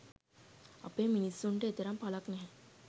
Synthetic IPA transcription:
a̰peːminisːuɳʈeet̪eɾampalaknɛɦɛ

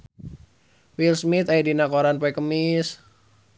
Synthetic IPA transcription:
wilsmit̪aidinakoɾanpɔɛkəmis

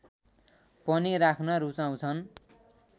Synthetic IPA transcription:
pʌniɾakʰnʌɾut͡saw̃t͡sʰʌn

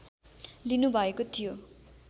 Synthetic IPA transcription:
linubʱʌekot̪ʰijo

